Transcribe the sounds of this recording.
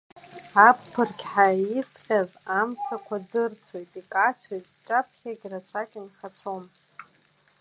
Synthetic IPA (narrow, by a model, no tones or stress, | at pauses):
apːʰɨrkʲħait͡sʰχʲazamt͡sʰakʷʰadɨrt͡sʰo̞jtʼikʼat͡sʷʰojtʼʈ͡ʂʼapʰχʲaɡʲrat͡sʷʰakʲʼinχat͡sʷʰom